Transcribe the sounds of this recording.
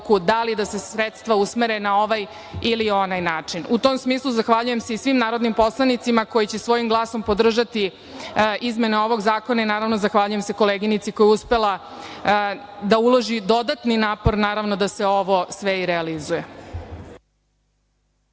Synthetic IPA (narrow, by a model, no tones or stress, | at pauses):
kud̪alid̪ase̞sɾet̪st̪ʋausmeɾenao̞ʋaj | ilio̞najnaːt͡ʂinut̪o̞msmiːslˠuzaxʋaʎuje̞mseisʋimnaːɾo̞d̪nimpo̞slˠanit̪simako̞jit͡ɕesʋo̞jimɡlˠaːso̞mpo̞d̪r̩ʒat̪i | izme̞neo̞ʋo̞ɡzaːko̞nainaːɾaʋno̞zaxʋaʎuje̞mse̞ko̞leɡinit̪siko̞jɛuspelˠa | d̪aulˠo̞ʒid̪o̞d̪at̪ninaːpo̞ɾnaːɾaʋnod̪aseo̞ʋo̞sʋeiɾealizuje